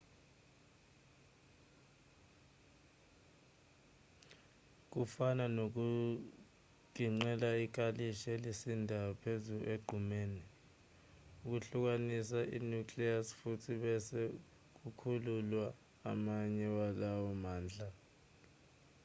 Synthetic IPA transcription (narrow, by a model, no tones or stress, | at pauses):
k̬ufananok̬u | k̬iŋ͡ǀɛlaik̬ʼaliʃelisindʱawɔpʰezueɡ͡ǃʱumeːni | uk̬uɬuk̬anisaʔḭnukliasfutʰiɓɛsɛ | k̬ukʰululwaː | maɲɛwalawɔmaːnd͡ɮʱa